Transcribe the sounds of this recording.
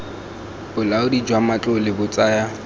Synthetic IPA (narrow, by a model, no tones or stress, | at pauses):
bʊlaʊdid͡ʒwamat͡ɬʼʊlɪbʊt͡sʼaːja